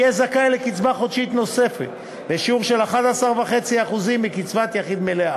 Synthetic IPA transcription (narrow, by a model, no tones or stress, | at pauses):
ezakajlekit͡svaχo̞d̪ʃit̪no̞se̞fḛt̪ | beʃiuʁʃe̞laχad̪asaʁvaχe̞t͡siaχuzimːikit͡svat̪jaχid̪melea